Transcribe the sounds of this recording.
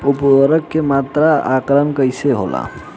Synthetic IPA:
upwaɾəkːemat̪ɾaakɾənkəjseɦo̰la̰

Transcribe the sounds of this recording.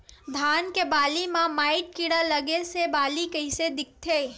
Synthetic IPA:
d̪ʱaːnkebaːlimãmaːɪʈ̚kiɽalɐɡesebaːlikɐɪsed̪ɪk̚ʰt̪ʰeː

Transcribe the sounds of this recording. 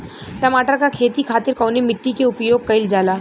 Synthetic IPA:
ʈɐmaːʈəɾkakʰeːt̪ikʰaːt̪ɪɾkɐːnemɪʈːikeʊpjoːɡ̚kɐɪld͡ʒaːlaː

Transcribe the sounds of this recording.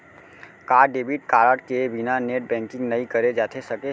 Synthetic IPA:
kaɾɖebʱiʈ̚kaɾəʈkebʱinaneʈ̚bɛ̃ŋkĩŋɡnəikəɾed͡ʒat̪ʰesəke

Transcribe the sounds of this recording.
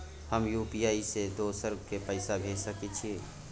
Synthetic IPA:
həmjuːpijaːised̪osəɾb̚kepəɪsabʱeːsəket͡ʃʰi

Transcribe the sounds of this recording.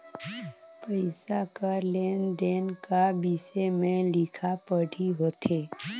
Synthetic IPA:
pəɪsakəleːnd̪eːnkabisemẽlɪkʰapəɽʱiɦoːt̪ʰeː

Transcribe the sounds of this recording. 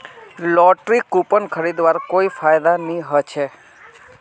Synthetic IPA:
lɔʈɾikupənkʰəɾid̪ʋaɾkoifajd̪aniɦət͡ʃʰe

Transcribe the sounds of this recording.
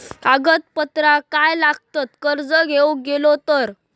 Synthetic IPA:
aɡət̪̚pət̪ɾakajlaɡ̚t̪at̪kəɾd͡zəɡʱewɡelot̪əɾ

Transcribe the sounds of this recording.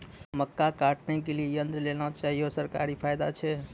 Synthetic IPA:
məkːakaʈnɛk̬eliejənd̪ɾəlelat͡ʃaɦijosəɾkaɾipʰajd̪a̰t͡ʃʰɛ

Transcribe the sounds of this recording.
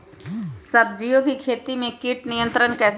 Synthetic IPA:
sɐb̚d͡ʒijõkikʰeːt̪imẽkiʈnijə̃nt̪ɾənkɛːs

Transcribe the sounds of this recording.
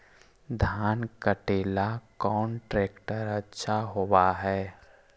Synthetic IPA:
d̪ʱaːnkəʈeːlakɔːnʈɾeːkʈəɾɐtːʃʰaɦowaɦɛː

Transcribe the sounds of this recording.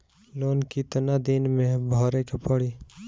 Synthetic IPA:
loːnkit̪nad̪ɪnmẽbʱɔːɾekepəɽiː

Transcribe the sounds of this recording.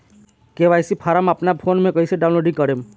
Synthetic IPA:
keʋajsipʰaɾamapnapʰoːnmẽkɔɦiseɖaw̃nloːɖĩŋkəɾem

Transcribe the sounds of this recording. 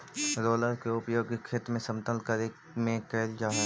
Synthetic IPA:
ɾoːləɾkeʊpjoːɡkʰːeːt̪mẽsɐ̃mt̪əlkəɾe | mẽkɛːld͡ʒaːɦ

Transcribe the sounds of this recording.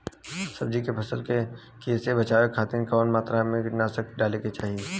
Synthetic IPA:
sɐb̚d͡ʒikepʰɐsəlke | keːsebɐt͡ʃaːʋekʰaːt̪iːnkɔːnmaːt̪ɾamẽnaːsəkɖaːleket͡ʃaːɦieː

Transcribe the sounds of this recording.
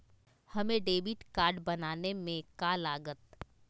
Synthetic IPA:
hɐmẽɖeːbɪʈkaːɾɖbɐnaːnemẽkaːlaːɡət̪

